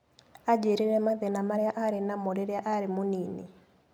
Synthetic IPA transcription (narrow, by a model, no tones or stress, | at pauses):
ad͡ʒeɾiɾamaðɛnamaɾɛjaʔaɾɛnamɔɾɛɾɛaʔaɾimunini